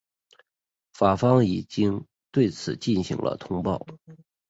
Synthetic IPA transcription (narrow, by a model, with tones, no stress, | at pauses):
fa˨˩fɑ˥ŋi˨˩t͡ɕi˥ŋ | t̪we˥˩ɪt͡sʰɹ̩˨˩t͡ɕi˥˩nɕḭ˧˥ŋlə̰˧t̪ʰʊ˥ŋpɑ̰˥˩ʊ